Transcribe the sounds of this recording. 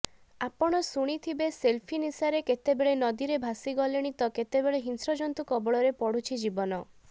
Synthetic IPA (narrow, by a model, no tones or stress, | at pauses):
apɔɽ̃ɔsuɽ̃it̪ʰibeselpʰinisaɾeket̪ebeɭenɔd̪iɾebʱasiɡɔleɽ̃it̪ɔket̪ebeɭeɦinsɾɔd͡ʒɔnt̪ukɔbɔɭɔɾepɔɽ̤ut͡ʃʰid͡ʒibɔnɔ